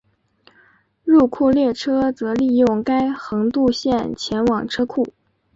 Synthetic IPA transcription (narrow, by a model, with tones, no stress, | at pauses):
ɻu˥˧kʰu˥˧ljɛ˥˩ʈ͡ʂʰɤ˥t͡sɤ˧˥li˥˧jʊ˥˩ŋka˥ɪxɤ˧˥ŋt̪u˥˧ɕjɛ˥˩nt͡ɕʰjɛ˧˥nwɑ˨˩ŋʈ͡ʂʰɤ˥kʰu˥˩